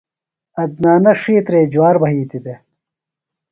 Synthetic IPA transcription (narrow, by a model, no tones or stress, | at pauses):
ɐd̪̚naːnɐʂiːt̪ɾeːd͡ʑwaːɾbʱɐɦiːt̪id̪e